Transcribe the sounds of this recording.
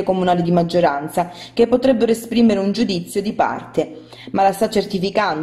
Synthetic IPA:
ekomunaːlid̪imad͡ʒːoɾant̪sakepːot̪ɾɛbːeɾoespɾiːmeɾeund͡ʒud̪it̪sːjod̪ipa̰rt̪e | malast̪at͡ʃːert̪ifikand̪

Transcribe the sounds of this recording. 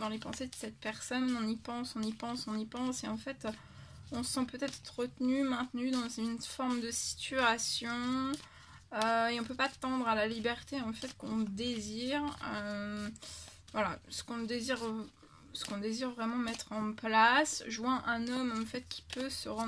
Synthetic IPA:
d̪ɑ̃lepɑ̃sed̪əsɛt̪̚pɛʁsɔnɔ̃nipɑ̃sɔ̃nipɑ̃sɔ̃nipɑ̃seɑ̃fɛt̪ | ɔ̃səsɑ̃pøt̪ɛt̪χʁət̪nymɛ̃t̪nyd̪ɑ̃zynfɔʁmd̪əsi̥t̪yasjɔ̃ | øeɔ̃pøpat̪ɑ̃d̪ʁalalibɛʁt̪eɑ̃fɛt̪kɔ̃d̪eziʁø | vwala̰sə̥kɔ̃d̪eziʁ | sə̥kɔ̃d̪eziʁvʁɛmɑ̃mɛt̪χɑ̃plasʒwɛ̃ʔɛ̃nɔmɑ̃fɛt̪kʲʰi̥pʰøsəʁɑ̃

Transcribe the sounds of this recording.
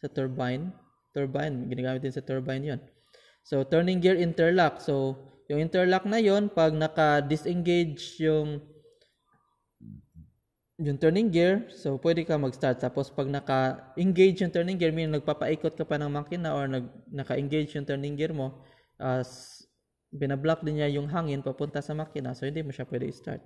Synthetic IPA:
sɐt̪oɹbajn | t̪oɹbajnɡɪnɐɡaːmɪt̪̚d̪ɪnsɐt̪ɛɹbajnjon | so̞wt̪ɛɹnɪŋɡɪɹʔɪnt̪ɛɹlak̚sowjʊŋʔɪnt̪ɛɹlak̚nɐjo̞npɐɡ̚nɐkɐd̪ɪsʔɛŋɡejd͡ʒjʊŋ | jʊŋt̪ɛɹnɪŋɡɪɹsopwɛd̪ɛkɐmɐɡst̪aɹt̪̚ːaːpospɐɡ̚nɐkɐʔɪŋɡejd͡ʒjʊŋt̪ɛɹnɪŋɡɛɹminɐɡ̚papɐʔiːkot̪̚kɐpanɐŋmakɪnaʔoɹnɐɡ̚nɐkɐʔɪŋɡejd͡ʒjʊŋt̪ɛɹnɪŋɡɪɹmo̞ | ʔas | bɪnɐblak̚d̪ɪnɲajʊŋɦaːŋɪnpɐpʊnt̪ɐsɐmakɪna̰sohɪnd̪imoʃapwɛd̪ɛʔɪst̪a̰ɹt̪̚

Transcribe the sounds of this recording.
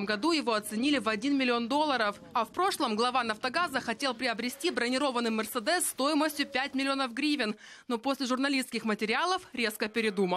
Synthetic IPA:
mɡɐd̪ujɪvo̞ɐt̪sɨnʲilʲɪvɐdʲinmʲɪlʲɪo̞nd̪o̞lˠːəɾəf | ɐfpɾo̞ʂlˠəmɡlˠɐvanɐft̪ɐɡazəxɐtʲe̞lˠpɾʲɪəbɾʲɪsʲtʲibɾənʲɪɾo̞vənːɨjmʲɪrsəd̪ɛsːt̪o̞jɪməsʲtʲjʊpʲætʲmʲɪlʲɪo̞nəfɡɾʲivʲɪn | no̞po̞sʲlʲɪʐʊrnɐlʲiskʲɪxmətʲɪɾʲɪalˠəfɾʲe̞skəpʲɪɾʲɪd̪umə

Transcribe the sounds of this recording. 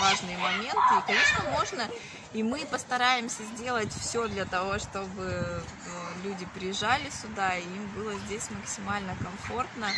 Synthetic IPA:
vaʐnɨjəmɐmʲe̞nt̪ɨkɐnʲe̞ʂnəmo̞ʐnə | imɨpəst̪ɐɾajɪmsʲəzʲdʲe̞lˠətʲfsʲo̞d̪lʲɐt̪ɐvo̞ʂt̪o̞bɨ | lʲudʲɪpɾʲɪjɪʐːalʲɪsʲʊd̪aiimbɨlˠəzʲdʲesʲməksʲɪmalʲnəkɐmfo̞rt̪nə

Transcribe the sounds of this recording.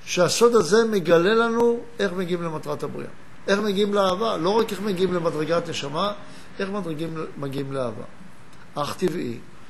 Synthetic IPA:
ʃeaso̞d̪aze̞meɡale̞lanuʔe̞χmeɡiimle̞matʁatabʁḭʔa̰ | ʔe̞χmeɡiimleaːvalo̞ʁakeχmeɡiimlemadʁeɡatne̞ʃama | e̞χmadʁeɡimːaɡiimleaːva̰ | ʔaχt̪ivḭ

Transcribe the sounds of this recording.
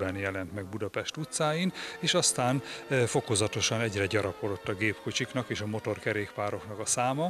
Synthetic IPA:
bɛnjɛlɛnt̪mɛɡ̚bud̪ɒpɛʃt̪ut̪saːjineːʃɒst̪aːnfo̞kozɒt̪o̞ʃɒnɛɟrɛɟɒɾɒko̞d̪ot̪ːɒɡeːpkot͡ʃiknɒkeːʃɒmo̞t̪o̞rkɛɾeːkpaːɾo̞knɒkɒsaːmɒ

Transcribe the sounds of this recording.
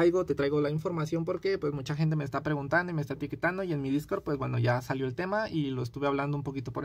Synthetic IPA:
ajɣo̞t̪e̞t̪ɾajɣo̞laiɱfo̞ɾmasjo̞mpo̞ɾkepwe̞smut͡ʃaxe̞nt̪̬e̞meːst̪apɾe̞ɣunt̪and̪oimest̪aet̪iket̪and̪oienmiðisko̞ɾpwe̞zɡweno̞ʝasaljo̞elt̪e̞mailo̞est̪uβe̞aβland̪oumpo̞kit̪o̞poɾ

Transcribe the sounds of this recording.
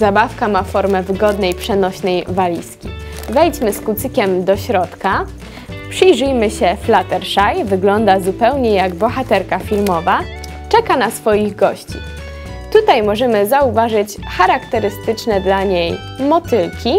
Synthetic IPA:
zabafkamafɔɾmɛvɘɡɔd̪nɛjpʂɛnɔɕnɛjvalʲḭskʲivɛjd͡ʑmɘskut̪sɘkʲɛmd̪ɔɕɾɔt̪ka | pʂɘjʐɘjmɘɕɛflat̪ɛɾʂajvɘɡlɔnd̪azupɛwɲɛjaɡbɔxat̪ɛɾkafʲilmɔva | t͡ʂɛkanasfɔjiɣɡɔɕt͡ɕḭ | t̪ut̪ajmɔʐɛmɘzauvaʐɘt͡ɕxaɾakt̪ɛɾɘst̪ɘt͡ʂnɛd̪laɲej | mɔt̪ɘlkʲi

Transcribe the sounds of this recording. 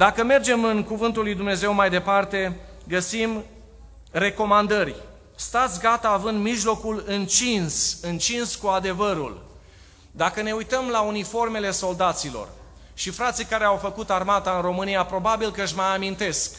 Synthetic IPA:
d̪akəme̞rd͡ʒe̞mɨnkuvɨnt̪ulːujd̪umne̞ze̞wmajd̪e̞part̪e̞ | ɡəsim | re̞ko̞mand̪ərʲ | st̪at̪sʲɡat̪aːvɨnd̪miʒlo̞kulɨnt͡ʃinsɨnt͡ʃinskuad̪e̞vəɾṵl | d̪akəne̞ujt̪əmlaunifo̞rme̞le̞so̞ld̪at̪silo̞̰r | ʃifɾat̪sijkaɾe̞awfəkut̪armat̪aɨnro̞mɨnijapɾo̞babilkəɨʃmajamint̪e̞sk

